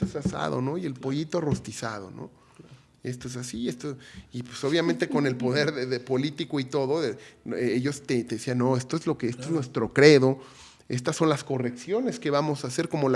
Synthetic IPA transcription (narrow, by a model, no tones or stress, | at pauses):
esasa̰ðo̰no̞ie̞lpo̞ʝit̪oro̞st̪isað̞o̞̰no̰ | est̪oes̬asiest̪oipwe̥soβ̞jament̪e̞ko̞ne̞lpo̞ðe̞ɾðeðepo̞lit̪ikoit̪o̞ðo̞eeeʝo̞st̪et̪eðesianːo̞e̞st̪oezlo̞keest̪oeznwe̞st̪ɾo̞kɾe̞ðo̞ | e̞st̪asːo̞nlasko̞re̞ksjo̞ne̞ske̞βamo̞saːse̞ɾko̞mo̞l